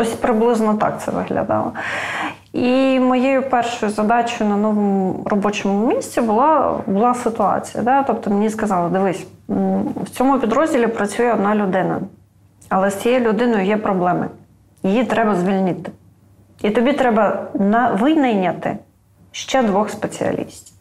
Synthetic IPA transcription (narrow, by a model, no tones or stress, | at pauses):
t̪ɔsʲpɾɪblˠɪznɔt̪ɑ̰k̚t̪sɛ̰ʋɪ̰ɦlʲɐ̰d̪ɑ̰lˠɔ | imɔjejʊpɛrʃʊjʊzɐd̪ɑt͡ʃʊjʊnɐnɔʋɔmʊʊrɔbɔt͡ʃɔmʊmʲisʲt͡sʲibʊlˠɑbʊlˠɑsɪt̪ʊɑ̰t͡sʲijɐ̰d̪ɛt̪ɔp̚t̪ɔmenʲiskɐzɑlˠɪd̪ɪʋɪsʲ | wt͡sʲɔmʊpʲid̪ɾɔzʲdʲilʲipɾɐt͡sʲujɛɔd̪̚nɑlʲʊd̪ɪnɐ̰ | ɐlˠɛst͡sʲijɛjlʲʊd̪ɪnɔjʊjɛpɾɔblˠɛmɪ̰ | jɪjit̪ɾɛbɐzʋʲilʲnɪt̪ɪ̥ | it̪ɔbʲit̪ɾɛbɐnɐʋɪjnɐjnʲɐt̪ɪ̰ | ʃt͡ʃɛd̪ʋɔxspet͡sʲḭɐ̰lʲḭsʲtʲi